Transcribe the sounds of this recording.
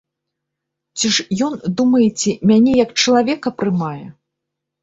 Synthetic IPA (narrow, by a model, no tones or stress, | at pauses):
t͡sʲiʂjɔnd̪umɐjɛt͡sʲɛmʲanʲɛjɐkt͡ʂɐlˠavʲɛkɐpɾɨmajɛ